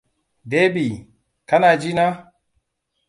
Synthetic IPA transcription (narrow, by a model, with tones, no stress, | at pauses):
de˦bi˨ | ka˦na˧d͡ʒi˦na˦